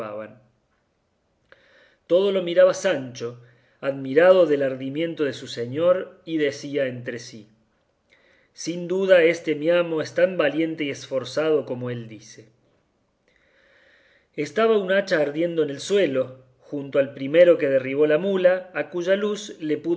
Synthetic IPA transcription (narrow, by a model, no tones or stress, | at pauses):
a̰βa̰n | t̪o̞ð̞o̞lo̞miɾaβasant͡ʃo̞ | aðmiɾað̞o̞ðelaɾðimjẽ̞nt̪oð̞esuse̞ɲo̞ɾiðe̞siaent̪ɾe̞si | sind̪uð̞ae̞st̪emiamo̞est̪ambalje̞nt̪e̞ie̞sfo̞ɾsað̞o̞ko̞mo̞e̞ld̪ise̞ | est̪aβaunat͡ʃaːɾðje̞nd̪oene̞lswe̞lo̞ | xunt̪oalpɾime̞ɾo̞ke̞ð̞eriβ̞o̞lamulaːkuʒaluzle̞pu